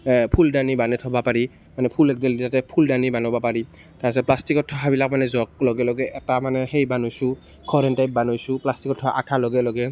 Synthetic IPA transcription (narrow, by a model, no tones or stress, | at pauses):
pʰuldanibanɛtʰɔbapaɹi | manɛpʰulɛk̚dɛlditatɛpʰuldanibanɔbapaɹi | taas̬ɛplastikɔtʰːɔɦabilak̚manɛzɔk̚lɔɡɛlɔɡɛʔɛtamanɛhejbanʊjsʊ | kʰɔɹɛntajp̚banojsʊplastikɔtʰːɔha̰ʔatʰalɔɡɛlɔɡɛ